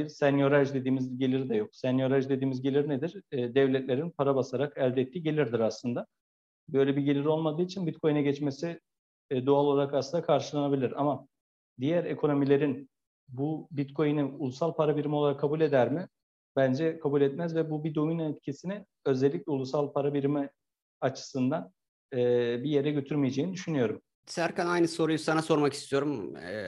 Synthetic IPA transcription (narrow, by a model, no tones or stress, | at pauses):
biɾsɛnjo̞ɾaʒd̪e̞d̪iːmizɟe̞lʲiɾid̪ɛjo̞ksɛnjo̞ɾaʒd̪e̞d̪iːmizɟelʲiɾnɛd̪iɾːd̪ɛvlʲɛt̪lʲe̞ɾinpʰaɾabasaɾakælʲd̪ɛːt̪ʰːiːɟe̞lʲiɾd̪iɾaslˠɯnd̪a | bø̞jlʲɛbiɟe̞lʲiɾo̞lˠmad̪ɯːit͡ʃʰinbit̪kʰo̞jnaɟɛt͡ʃmesi | d̪oalˠo̞lˠaɾakasɯnd̪akʰaɾʃɯlˠanabilʲiɾa̰ma | d̪ijæɾe̞kʰo̞no̞milʲe̞ɾin | bubit̪kʰo̞jiniulˠusalˠpʰaɾabiɾimiolˠaɾakʰːabulʲe̞d̪æɾmɪ | bænd͡ʒɛkʰabulʲɛt̪mæzvɛbubid̪ojunɛt̪̚cʰisinɪ | ø̞zɛlʲːicʲlʲɛulˠusalˠpʰaɾabiɾimi | at͡ʃʰɯ̥sɯnd̪an | ɛbije̞ɾɛɟø̞t̪ʰyɾmijed͡ʒeːnid̪yʃynyjo̞ɾum | sæɾkanajnɯso̞ɾujusanaso̞ɾmaki̥st̪ʰijo̞ɾum